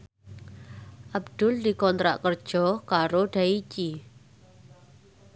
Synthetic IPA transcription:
ʔab̚d̪̥ʊ̤ld̪i̤kɔnt̪ɾa̰ʔkərd̥ʒ̥ɔkaɾoɖ̥ait͡ʃi

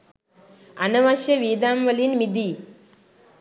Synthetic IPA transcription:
ɐnɐʋaʃjɐʋiːd̪aːmʋɐlinmid̪i

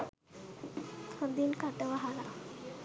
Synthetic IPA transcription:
t̪ʰəd̪inkaʈəʋaɦala

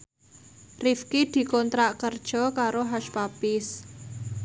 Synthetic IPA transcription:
rifkid̪̥i̤kɔnt̪ɾaʔkərd̥ʒ̥ɔ̤kaɾoɦaʃpapɪs

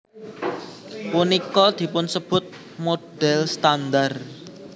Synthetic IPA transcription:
punikɔd̪̥i̤pʊnsəb̥ʊ̤t̪̚ | mod̪̥ɛlst̪and̪ar

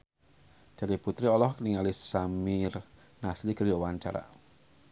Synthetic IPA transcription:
d͡ʒ̥adiput̪ɾiɔlɔhkəniŋalisamɪr | naslikərd͡ʒawaɲt͡ʃa̰ɾa̰

